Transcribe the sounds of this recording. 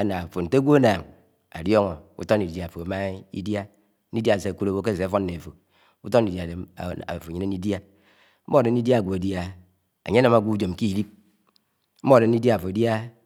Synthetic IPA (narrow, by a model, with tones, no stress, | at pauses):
a˦na˨fo˨n̩˨te˦ɡʷo˦a˦naː˨ŋ | a̰˨djɔ˦ŋo˨ṵ˦to˦n˦˨i˨˦˨a˨fo˨a˨˦ma˦ḭ˦dja˦ | i˦dja˦˨se˨ku˦ɾo˦ke˦˨se˨˦fo˦n˦ne˨fo˨ | u˦to˦i˨dja˨e˨a̰˨fo˨ɲi˦ne˦n˦i˦dja˦ | m̩˦o˦˨de˨n˦i˦dja˦˨ɡʷo˨e˨dja˦ | a̰˨ɲe˦na˨ma˨ɡʷu˦d͡ʒo˨m˨ki˦˨li˦p̚ | m̩˦mo˦˨de˨n˦i˦dja˦˨fo˨i˨dja˦